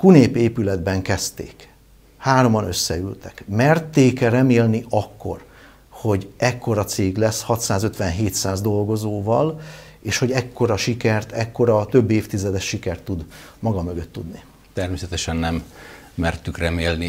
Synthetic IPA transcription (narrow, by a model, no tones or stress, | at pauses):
kuneːpeːpylɛd̪bɛŋkɛst̪ḛːk | haːɾo̞mɒnø̞̰sːɛylt̪ɛkmɛrt̪eːkɛrɛmeːlniʔɒkːo̞̰r | ho̞ɟɛkːo̞ɾɒt̪seːɡlɛshɒt̪saːzø̞t̪ʋɛnɦeːt̪saːzd̪o̞lɡo̞zoːvɒl | eːʃho̞ɟɛkːo̞ɾɒʃikɛrt̪ɛkːo̞ɾɒt̪ø̞bːeːft̪izɛd̪ɛʃːikɛrt̪ːud̪ | mɒɡɒmø̞ɡøt̪ːud̪ni | t̪ɛrmeːsɛt̪ɛʃɛnːɛmː | ɛrt̪ykrɛmeːlni